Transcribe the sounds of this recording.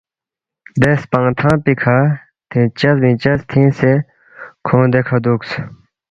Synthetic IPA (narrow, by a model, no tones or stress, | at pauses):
d̪espɐ̃ŋt̪ʰãːpikʰa | t̪ʰĩːt͡ɕɐzbĩːt͡ɕɐzt̪ʰĩːse | kʰõːd̪ekʰɐd̪uːks